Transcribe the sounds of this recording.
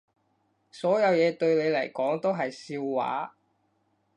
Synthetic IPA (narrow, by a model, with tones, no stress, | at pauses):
sɔː˨˥jɐ˨˧wjɛː˨˧t̪ɵ˧ɥne˨˧lɐ˨˩jkɔː˨˥ŋt̪o˥wɦɐ˨jsiː˧wːa̰ː˨˥